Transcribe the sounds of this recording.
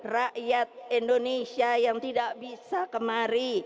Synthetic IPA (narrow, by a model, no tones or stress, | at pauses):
raʔjat̪̚indonesiajaŋt̪idaʔbisakəmaɾi